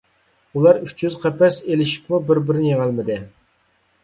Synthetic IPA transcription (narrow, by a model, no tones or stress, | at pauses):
ulˠɑɾyt͡ʃʰjyzqʰɛpɛselɪʃi̥p̚mubɪɾbɪɾnɪjeŋælmɪd̪ɪ